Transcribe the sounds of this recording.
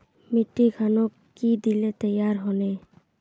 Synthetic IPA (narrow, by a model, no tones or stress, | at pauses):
miʈːikʰanokːid̪ilet̪əjaɾɦɔne